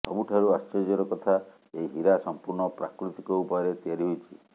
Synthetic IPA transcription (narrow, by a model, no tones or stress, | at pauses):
sɔ̰buʈʰaɾuast͡ʃed͡ʒɔɾɔkɔt̪ʰa | eiɦiɾasɔmpuɾɳɔpɾa̰kɾut̪i̥kɔupɔɾet̪jaɾiɦujt͡ʃʰi